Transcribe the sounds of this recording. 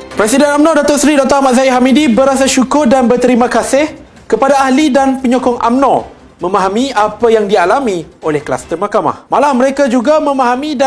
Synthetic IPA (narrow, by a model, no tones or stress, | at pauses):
pɾɛsidɛnamnɔ̃dat̪ɔʔsɾidɔk̚t̪aamaʔzaiɦamidibəɾasaʃukʊrdanbərt̪əɾimãkasɪh | kəpadaaɦlidanpəɲɔkɔŋa̰mnɔ | mə̃mãɦamĩapajaŋdialamĩolɛhkəla̰st̪ərmakama̰hmalaməɾekad͡ʒuɡamə̃mãɦamĩda